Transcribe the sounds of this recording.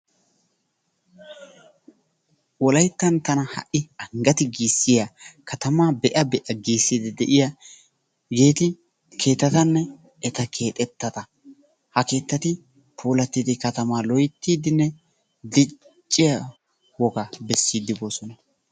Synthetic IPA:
wɔlɐjt̪ːɐnt̪ɐnɐhɐ̰ʔɪɐŋɡɐt̪ɪɡiːsːɪjɐkʰɐt̪ɐmaːbɛʔɐbɛʔɐɡiːsːid̪ɪd̪ɛʔɪjɐ | ɡe̞ːt̪ɪ | kʰe̞ːt̪ːɐt̪ɐnːɛ | ɛt̪ɐkʰe̞ːt̪ʼɛt̪ːɐt̪ɐ | hɐke̞ːt̪ːɐt̪ɪ | pʰuːlɐt̪ːid̪ɪkɐt̪ɐmaːlɔjt̪ːiːd̪ɪnːɛ | d̪ɪ | t͡ʃʼːɪjɐ | wɔɡɐbɛsːiːd̪ːɪbo̞ːsɔnɐ

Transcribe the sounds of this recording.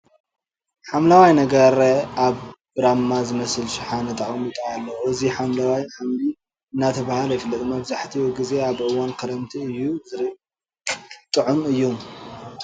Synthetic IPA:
ħamlawajnɐɡɐɾaβ | ɾamːazɨmɐsɨlʃɪħanɐt̪ʼaχʼɐmɨt̪ʼaːlːɐwuɨziħamlawajħamli | ɨnːat̪ʰɐβahalɐjfɨlːɐt̪ʼmɐβzaħt̪ʰiwɡize̞aβʔɨwankʰɐɾɐmt̪ʰiɨjːuzɨɾ | t̪ʼɨʕumɨjːum

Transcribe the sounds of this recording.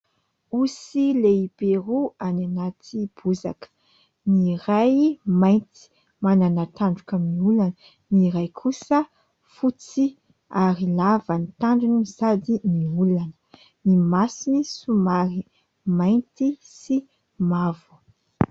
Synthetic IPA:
usileibeɾuananat̪ʰib̥uza̰kə̥ | nirajmajnt̪i̥ | mananat̪aɳɖ͡ʐukamiulanə | niɾajkʰusə | fut͡si | aɾilavənit̪aɳɖ͡ʐuniizad̪iniulanə̥ | nimasinisumaɾi | majnt̪isi | mavu̥

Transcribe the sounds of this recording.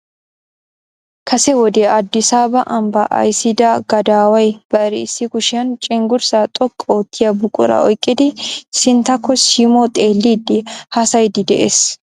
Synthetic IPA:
kʰɐsɛwɔd̪eːɐd̪ːɪsaːbɐʔɐmbɐʔɐ̰jsɪd̪aːɡ̥ɐd̪aːwɐjb̥ɐɾḭːsɪkʊʃɪɐnt͡ʃʼɪŋɡʊɾsaːt̪ʼɔkʼːoːt̪ʰːɪjɐbʊkʼʊɾɐ̰ɔjkʼːɪd̪ɪsɪnt̪ɐkʰːɔsimot̪ʼeːlːiːd̪ɪhɐsɐjd̪ɪd̪ɛʔeːs

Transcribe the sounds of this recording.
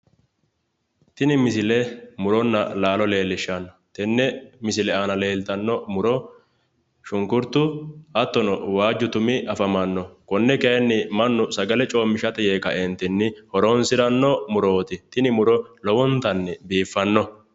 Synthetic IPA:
t̪ɪnɪmɪsɪlɛmʊɾɔnːɐ̰laːlɔle̞ːlːɪʃːɐnːɔt̪ɛnːɛmɪsɪlɛaːnɐleːlt̪ɐnːɔmʊɾɔ | ʃʊŋkʊɾt̪ːʊhɐt̪ːɔnɔwaːd͡ʒːʊt̪ʊmɪʔɐfɐmɐnːɔkɔnːɛkɛɛnːɪmɐnːʊsɐɡɐlɛt͡ʃʼo̞ːmːɪʃɐt̪ɛjeːkɐʔɛnt̪ɪnːɪhɔɾonsɪɾɐnːɔmʊɾoːt̪ɪt̪ɪnɪmʊɾɔlɔwɔnt̪ɐnːɛbiːfːɐnːɔ

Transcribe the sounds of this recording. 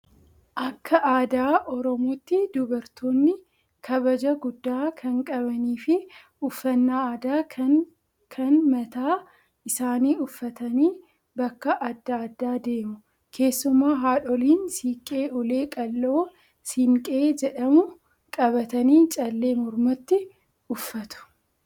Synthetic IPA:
ʔɐkːɐʔaːd̪aːʔɔɾɔmoːt̪ːɪd̪ʊbɐɾt̪ʰoːnːɪ | kʰɐbɐd͡ʒɐɡʊd̪ːaːkʰɐŋkʼɐβɐniːfɪ | ʊfːɐnːaːaːd̪aː | kʰɐnmɐt̪aː | ʔɪsaːniːʊfːɐt̪ɐniː | bɐkːɐʔɐd̪ːaːd̪ːaːd̪e̞ːmʊ | kʰe̞ːsːʊmaːɦaːᶑɔliːnsiːkʼe̞ːʔʊleːkʼɐlːo̞ː | sɪŋkʼe̞ːd͡ʒɛᶑɐmʊ | kʼɐbɐt̪ɐniːt͡ʃʼɐlːe̞ːmɔɾmɐt̪ːɪ | ʊfːɐt̪ʊ̥

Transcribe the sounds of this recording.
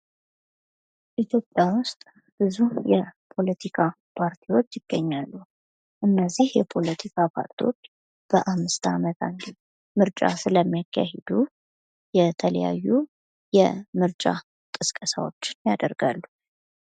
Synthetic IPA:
ʔit̪ʰjo̞pʼjawʊst̪ʼ | b̥ɨzujɛpʰo̞lət̪ʰikʰa | pʰaɾt̪ʰiwo̞t͡ʃːjɪɡ̥ːəɲːalːu | ʔɨnːəzːihjɛpʰo̞lət̪ʰikʰapʰa̰ɾt̪ʰiwot͡ʃː | b̥əʔamːɨst̪amət̪ʰand̪i | mɨɾt͡ʃʼa̰sɨləmːijakʰːa̰hɛd̪u | jɛt̪ʰələ̰ja̰jːu | jɛmɨɾt͡ʃʼa̰ | kʼɨskʼəsa̰wot͡ʃːɪnjad̪əɾɡalːu

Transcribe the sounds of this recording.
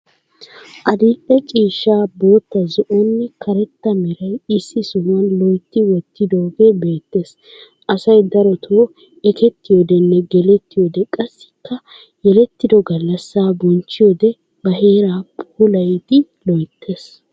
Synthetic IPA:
ʔɐd̪iːʔʼɛt͡ʃʼiːʃːaːbo̞ːt̪ːɐzɔʔɔnːɪkʰɐɾɛt̪ːɐmɛɾɐjɪsːɪsʊmɐnlɔjt̪ːɪwɔt̪ːɪd̪oːɡeːbe̞ːt̪ːe̞ːs | ʔɐsɐjd̪ɐɾɔt̪ʰo | ɛkɛt̪ːɪjɔd̪ɛnːɛɡɛlɛt̪ːɪjɔd̪ɛkʼɐsːɪ̥kːɐ | jɛlɛt̪ːɪd̪ɔɡɐlːɐsːaːbɔnt͡ʃːɪjɔd̪ɛ | bɐɦe̞ːɾaːpʼuːlɐjd̪ɪ | lɔjt̪ʰːe̞ːs

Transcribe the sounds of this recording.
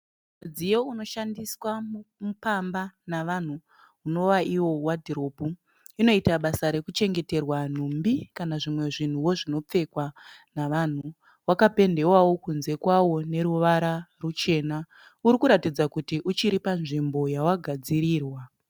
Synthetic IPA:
ud͡zijo̞uno̞ʃandiswamupambanaʋan̤uː | no̞ʋaʔiwo̞wadʱiɾo̞pu | ino̞itaɓasaɾe̞kut͡ʃe̞ŋɡe̞te̞rwan̤umbikanaʐimwe̞ʐin̤uwo̞ʐino̞p͡fe̞kwanaʋan̤u | wakape̞nde̞wawo̞kunze̞kwawo̞ne̞ɾuʋaɾarut͡ʃe̞ːna | uɾikuɾatid͡zakutiʔut͡ʃiɾipanʐimbo̞jawaɡʱad͡ziɾiːrwa

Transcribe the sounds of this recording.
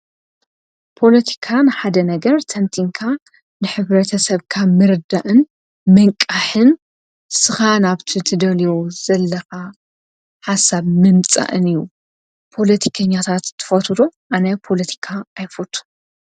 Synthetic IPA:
pʰo̞lɐt̪ʰi̥kʰanɨħad̪ɐnɐɡɐɾt̪ʰɐnt̪ʰiŋkʰa | nɨħɨβɾɐt̪ʰɐsɐβkʰamɨɾɨd̪aʔɨn | mɐŋkʼːaħɨn | sɨxanaβt̪ʰit̪ʰɨd̪ɐlijozɐlːɐxa | ħasaβmɨmt͡sʼa̰ʔɨnɨju | pʰo̞lɐt̪ʰi̥kʰɐɲːat̪ʰat̪t̪ʰːɨ̥fɐt̪ʰud̪uʔanɐpʰo̞lɐt̪ʰi̥kʰaːjfut̪ʰu̥

